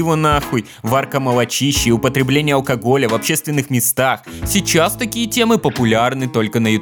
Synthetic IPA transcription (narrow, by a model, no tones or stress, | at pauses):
ɪvonaxʊj | varkəməlˠɐt͡ɕiɕːɪʊpət̪ɾʲɪblʲenʲɪjəɐlˠkɐɡo̞lʲəvɐpɕːest̪vʲɪnːɨxmʲɪst̪axsʲɪt͡ɕast̪ɐkʲijətʲe̞mɨpəpʊlʲarnɨt̪o̞lʲkənɐjɪt̪